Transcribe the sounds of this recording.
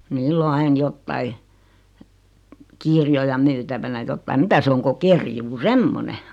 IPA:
niːlː o ɑin jotːɑi kirjojɑ myːtæʋænæ jotːɑim mitæ se oŋ ko kerjuː semːone

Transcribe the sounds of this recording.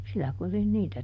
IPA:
silːæ kurin niːtæ

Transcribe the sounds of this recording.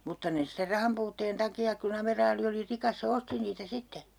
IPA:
mutːɑ ne ster rɑhɑmpuːtːeːn tɑkiɑk kun ɑmerɑːli oli rikɑs se osti niːtæ sitːe

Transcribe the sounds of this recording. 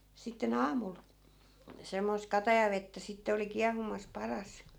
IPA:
sitːen ɑːmul semːoist̆ kɑtɑjɑʋetːæ sitːe oli kiɑhumɑs pɑrɑs

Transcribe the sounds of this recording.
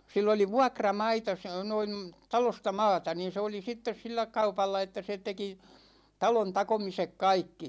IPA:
silː oli ʋuɑkrɑmɑitɑ s noin̞ tɑlostɑ mɑːtɑ niːn̞ se oli sitːes silːæ kɑupɑlːɑ etːæ se teki tɑlon tɑkomisek kɑikːi

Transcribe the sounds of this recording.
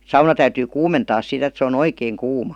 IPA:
sɑunɑ tæyty kuːmentɑː sit et se on oikeːŋ kuːmɑ niːn et neː rupeː

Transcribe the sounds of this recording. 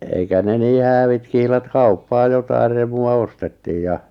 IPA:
eikæ ne niː hæːʋit kihlɑt kɑupːɑː jotɑir remuɑ ostetːiːj jɑ

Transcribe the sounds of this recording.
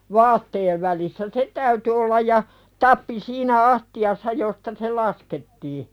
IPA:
ʋɑːtːeːʋ ʋælisːæ se tæyty olːɑj jɑ tɑpːi siːnæ ɑstiɑsːɑ jostɑ se lɑsketːiː

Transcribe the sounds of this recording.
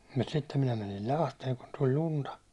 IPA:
mut sitːem minæ mænil lɑhteːŋ kun tulʲ luntɑ

